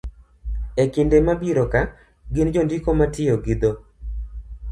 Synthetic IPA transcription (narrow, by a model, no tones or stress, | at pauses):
ekɪndemabiɾɔka | ɡɪnd͡ʒondikomatɪjoɡɪd̪o